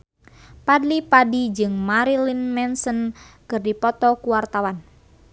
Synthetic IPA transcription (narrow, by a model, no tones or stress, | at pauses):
padlipadid͡ʒɨŋmaɾilinmɛnsənkɨrdipɔt̪ɔkuwart̪awan